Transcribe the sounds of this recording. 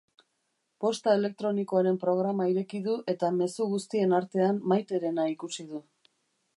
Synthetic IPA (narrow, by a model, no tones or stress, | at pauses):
po̞st̪ae̞le̞k̚t̪ɾo̞niko̞aɾe̞mpɾo̞ɣ̞ɾamaiɾe̞kiðuʔe̞t̪ame̞suɣust̪ie̞naɾt̪e̞anmajt̪e̞ɾe̞naikusiðu